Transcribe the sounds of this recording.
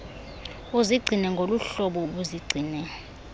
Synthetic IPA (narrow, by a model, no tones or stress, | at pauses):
uziɡ͡ǀʱinɛŋɡʱoluɬɔɓɔɓuziɡ͡ǀʱiːnɛ